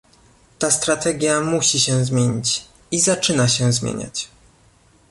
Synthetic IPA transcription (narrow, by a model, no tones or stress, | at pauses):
t̪ast̪ɾat̪ɛɡʲjamuɕiɕɛzmʲjeɲit͡ɕ | izat͡ʂɘnaɕɛzmʲjḛɲa̰t͡ɕ